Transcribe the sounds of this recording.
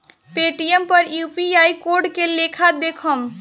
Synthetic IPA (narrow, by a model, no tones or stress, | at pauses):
peʈijempəɾjupiajkoɾɖkelekʰad̪ekʰəm